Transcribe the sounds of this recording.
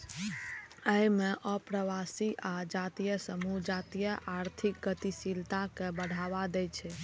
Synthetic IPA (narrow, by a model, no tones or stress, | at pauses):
əjmeʔəpɾəʋasiʔad͡ʒat̪ijəsəmud͡ʒat̪ijəʔaɾt̪ʰik̚ɡət̪isilt̪akebəɽ̤ʱaʋad̪ɛjt͡ʃʰɛ